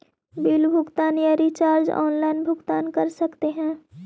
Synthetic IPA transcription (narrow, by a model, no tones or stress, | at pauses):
bɪlbʱʊɡt̪aːnjaɾit͡ʃaːɾd͡ʒɔ̰ːnlaɪnbʱʊɡt̪aːnkɐɾsɐkt̪eɦɛ̃ː